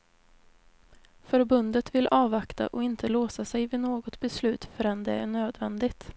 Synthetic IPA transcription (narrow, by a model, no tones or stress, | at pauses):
fœɾbɵnd̪ət̪vɪlʔɑːvakt̪a̰ʔɔɪnt̪ʰəloːsasɛjvɪnoːɡɔt̪bɛslʉ̟ːt̪fœɾɛnd̪ɛæɳøːd̪vɛnd̪ɪɡt̪